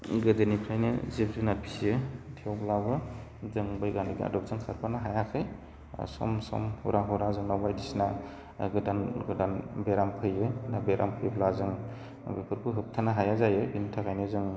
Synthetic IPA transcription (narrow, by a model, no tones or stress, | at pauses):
ɡɯdɯnipʰɾajnɯ̰zep̚zunapʰisijɯtʰeawplabɯzɯŋbajɡanɯɡia̰dɔp̚zɯŋsʰaɾpʰanaɦajakʰɯj̰ | sɔ̰msɔ̰mhṵɾaɦuɾazɯŋnawbajdisna | ɡɯdanɡɯdanbeɾampʰɯjɯnabeɾʔa̰mpʰɯjbʰlazɯŋ | bepʰɯɾpʰɯɦɯp̚tʰanaɦajazajɯbintʰakʰajnɯzɯŋ